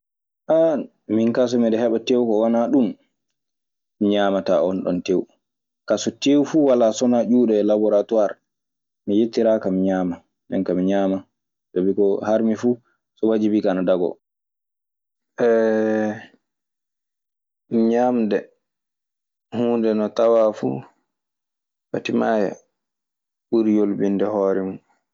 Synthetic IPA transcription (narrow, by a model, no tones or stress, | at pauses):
ʔa | miŋkas̬ɔmiɗɛhɛɓatewkɔwanaɗum | miɲaːmata̰ɔnɗɔ̰ntew | kasɔtewfuwalaːsɔnad͡ʒuːɗɛlabɔɾatuaɾ | mijetːiɾakamiɲaːma | ɗɛ̰nkamiɲaːma | sabikɔhaɾmifu | sɔwad͡ʒibikanɔdaɡɔ̰ | ɛ | miɲaːmdɛ | huːndɛnɔtawafṵ | fatimaja̰ | ɓuɾjolbindɛhɔːɾɛmun